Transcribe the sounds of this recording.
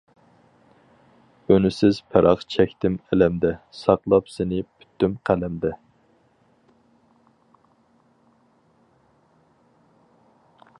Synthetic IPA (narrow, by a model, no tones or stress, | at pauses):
ønysɪz̥pʰɛɾʔɑqt͡ʃʰɛkʲt̪ɪmɛlɛmd̪ɛsɑqlˠɑpsenɪpʰy̥t̪ːymqʰælɛmd̪ɛ